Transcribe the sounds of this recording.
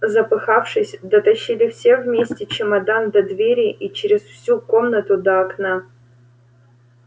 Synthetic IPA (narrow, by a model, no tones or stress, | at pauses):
zɐpɨxafʂɨsʲd̪ɐt̪ɐɕːilʲɪfsʲevmʲesʲtʲɪt͡ɕɪmɐd̪and̪ɐd̪vʲeɾʲɪʔit͡ɕɪɾʲɪsfsʲuko̞mnət̪ʊd̪ɐɐkna